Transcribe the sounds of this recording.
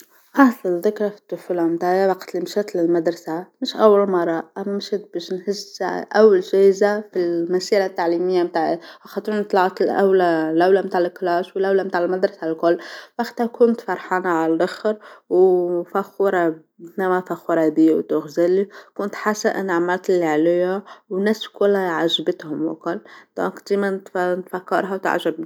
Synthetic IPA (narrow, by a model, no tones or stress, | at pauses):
ʔɑsˤɑlðɪkɾˤɑfi̥t̪ːʊfulamt̪aʕjawɑqt̪limʃæt̪lɪlmad̪ɾˤɑsamɪʃʔawːalmɑrˤːɑʔamæmʃɪt̪̚beʃnhɪzʔawːalʒæhzafilmæsiːɾat̪ːaʕlimɪjːamt̪aːʕʔaxɑt̪ˤunt̪ˤlɑʕt̪lʔa̰wlalʔawlamt̪aːʕlɪklaːʃwɪlʔawlamt̪aʕɪlmad̪ɾˤɑsalkʊlːfaxt̪akʊnt̪fɑɾˤħɑːnaʕaladɪxɾwfaxːʊɾˤɑ | namafaxːʊɾˤɑhd̪iːawt̪ʊɣzalːikʊnt̪ħasaʔɪ̰naʕmalt̪lːiʕalajawnaskʊlːaʕaʒbɪt̪hʊmwa̰kʊlːd̪̥o̰ːkd̪eːmant̪nt̪fakːɑ̰ɾˤɦawt̪a̰ʕʒab